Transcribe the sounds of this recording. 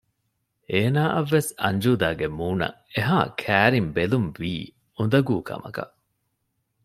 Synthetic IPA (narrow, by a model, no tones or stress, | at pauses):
eːnaːʔɐʋːesɐɲd͡ʒuːd̪aːɡemuːnɐ̰ | eɦaːkʰæːɾimbelumʋiː | und̪ɐɡuːkʰɐ̰mɐ̰kɐ̰ʔ